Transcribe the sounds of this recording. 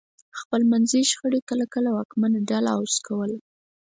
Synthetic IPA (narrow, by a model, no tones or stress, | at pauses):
xpəlmanziʃxəɽekəlakəlawakmanaɖalaawskʰawəl